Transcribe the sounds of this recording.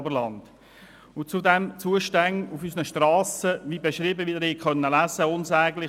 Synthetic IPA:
bəlɑnd̥ | ʊnt͡sudɛmt͡suəʃtæŋufysnəʃtrɑːsəʋibeʃɾiːbəʋidəɾikχœnːəlæsəʊnsɛːɡlɪ

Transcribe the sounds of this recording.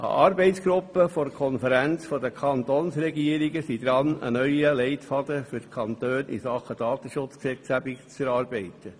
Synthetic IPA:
ʔɑ̰ʔɑːɾbɛɪtsɡ̥ɾʊpːəfoɾkʰɔnfəɾænt͡sfɔd̪əkʰɑnt̪oːnsɾɛɡiəɾiɡəsid̪ɾɑnə̰nœʏəlɛɪt̪fɑdəfʏɾtkʰɑnt̪øːnʔḭsɑχəd̥ɑːt̪əʃʊt͡sksɛt͡sɡæbikt͡sfɛɾɑːɾbɛɪtə

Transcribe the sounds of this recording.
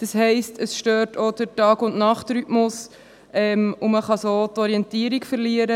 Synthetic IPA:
d̥ɑshɛɪstʰəsʃtøːɾtʰod̥əɾtɑːɡʊndnɑχtɾytmʊs | ʔɛmʊməχɑsotɔɾiɛntiːəɾikfəɾliəɾə

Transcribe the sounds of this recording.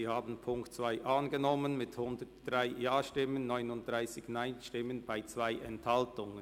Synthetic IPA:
iːhaːbn̩pʰʊŋktt͡sv̥aɪʔanɡənɔmənmɪthʊndətd̥ʁaɪjaːʃtɪmənːɔʏnʊnt̚d̥ʁaɪsɪçnaɪnʃtɪmənbaɪt͡sv̥aɪʔɛnthaltʊŋə

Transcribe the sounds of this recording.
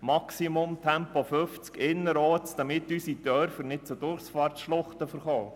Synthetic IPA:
mɑksimʊmt̪ʰɛmpofʏft͡skɪnːəɾɔːt͡sd̥̪ɑmɪt̪ysit̪œɾfənɪt̚t͡sʊd̥̪ʊrχsfɑːrtʃlʊχt̪əfəɾχɔː

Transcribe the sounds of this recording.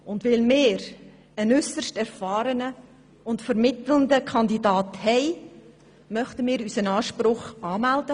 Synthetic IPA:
ʊndʋɪlmɪːɾ | ənʏsəʃtɛɾfɑːɾənə | ʊntfəɾmɪt̪ləndəkʰɑndidɑːthɛɪ | mœχtəmɪːɾysənɑːʃpɾʊχɑːmældə

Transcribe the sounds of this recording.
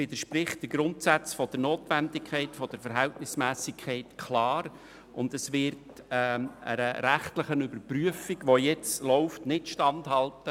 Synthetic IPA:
ʋɪd̪əʃprɪχt̚d̥əɡ̥ɾʊntsæt͡sfɔd̥ənoːtʋændɪkʰχɛɪtfɔd̥əɾfəɾɦɛltnɪsmæːsɪkʰχɛɪtkʰlɑːɾ | ʔʊndəsʋɪɾtː | ə̰ɾəɾæχtlɪχənʏbəɾpryəfiɡʋojɛt͡slɔʊftnɪtʃtɑnthɑltə

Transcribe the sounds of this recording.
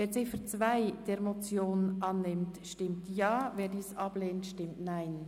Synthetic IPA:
veːɾt͡sɪfət͡svaɪd̥eːɾmot͡sjoːnʔɑnːɪmtʃtɪmtjɑːveːɾdiːsɑb̥leːntʃtɪmtnaɪn

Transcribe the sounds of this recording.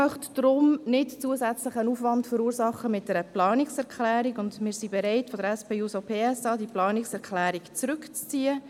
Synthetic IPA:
œχtd̥ɾʊmnɪtt͡suəzæt͡sləχənuːfʋɑntfəɾuːɾsɑχːəmɪt̚d̥ɛɾəplɑːnɪksɛʁkʰlæːɾiɡʊndmɪːɾsibɛɾɛɪtfɔdəɾɛspeːuːsopʰeːɛsɑːdiplɑːnɪksɛɾkʰlæːɾikt͡sɾʏkt͡st͡siːə

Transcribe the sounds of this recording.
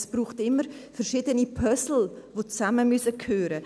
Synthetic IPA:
sb̥ɾuːχtɪmːəɾfɛɾʃiːdənipʰœsl̩vot͡saməmysəkʰhøːɾə

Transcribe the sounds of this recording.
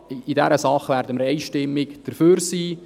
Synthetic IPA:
idɛɾəsɑχʋæːɾdəməɾɛɪʃtɪmːɪkd̥əɾføːɾsiː

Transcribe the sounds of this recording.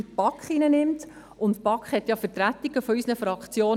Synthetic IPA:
pɑkχinənɪmt | ʊntpɑkχhɛtjɑfətɾæt̪ːiɡ̥əfɔysnəfɾɑkχt͡sjoː

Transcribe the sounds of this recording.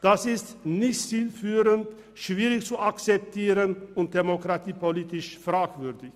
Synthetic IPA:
d̥asɪstnɪçtt͡siːlfyːʁənt | ʃv̥iːʁɪçt͡suakt͡sɛp̚tʰiːʁənʊnt̚d̥emokʁ̥atiːpoliːtɪʃfʁ̥aːkv̥ʏʁdɪç

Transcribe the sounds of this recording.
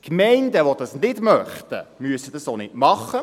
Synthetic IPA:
kmɛɪndəʋod̥̪ɑsnɪdmœχt̪ə̰myəsəd̥̪ɑsoːnɪdmɑχə

